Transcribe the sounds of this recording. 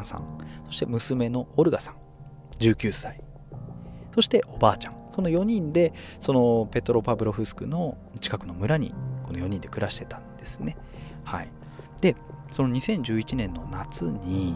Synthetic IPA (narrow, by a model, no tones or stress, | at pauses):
sã̰ŋso̞ɕi̥t̪e̞mɯ̟sɨme̞no̞ːɾɯ̟ɡasãŋ | d͡ʑɨːkʲɨːsai | so̞ɕi̥t̪e̞ʔo̞baːt͡ɕãŋso̞no̞jo̞ɲ̟ĩnd̪e̞ | so̞no̞pe̞t̪oɾo̞pabɯ̟ɾo̞ɸɯ̟sɨ̥kɯ̟no̞ | t͡ɕi̥kakɯ̟no̞mɯ̟ɾaɲ̟ḭko̞no̞jo̞ɲ̟ĩnd̪e̞kɯ̟ɾaɕi̥t̪e̞t̪ãnd̪̥e̞sɨ̥ne̞ | hai | d̪̥e̞so̞no̞ɲ̟isẽ̞ɲ̟d͡ʑɨːit͡ɕinẽ̞nːo̞nat͡sɨɲ̟i